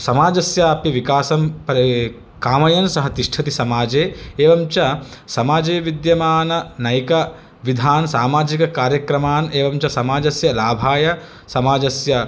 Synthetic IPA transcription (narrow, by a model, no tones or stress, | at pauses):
sɐmaːd͡ʒɐsjaːpiʋikaːsɐmpɐɾ | kaːmɐjɐnsɐɦɐt̪iʂʈʰɐt̪isɐmaːd͡ʒeːeːʋɐmt͡ʃɐsɐmaːd͡ʒeːʋid̪jɐmaːnɐnɐjkɐ | ʋid̪ʱaːnsaːmaːd͡ʒikɐkaːɾjɐkɾɐmaːneːʋɐmt͡ʃɐsɐmaːd͡ʒɐsjɐlaːbʱaːjɐ | sɐmaːd͡ʒɐsjɐ